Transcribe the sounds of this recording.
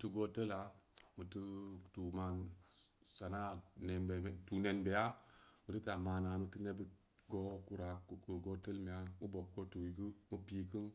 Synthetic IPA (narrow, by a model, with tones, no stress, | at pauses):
tu˧ɡo˦tə˦la˨˦mɨ˨tɨ˦tu˨ma˧n | sa˨na˦ne˨nbe˨tu˨ne˨nbe˨ja˦mu˨tɨ˦ta˨maː˨na˨mɨ˧tɨ˦ne˦bi˦ | ɡo˦ku˦ɾa˨ku˨ku˨ɡo˦tə˦lme˨ja˨mu˦bo˨b̚ɡo˦tu˨i˨ɡɨ˦mu˦pi˦kɨ˦n